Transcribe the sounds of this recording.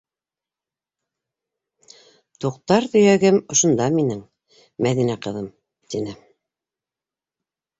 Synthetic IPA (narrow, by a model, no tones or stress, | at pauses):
t̪uqt̪ɑɾt̪ɵ̆jæɡɘmŏʃŏnd̪ɑminɘŋ | mæðinæqɤ̆ðɤm | t̪inɘ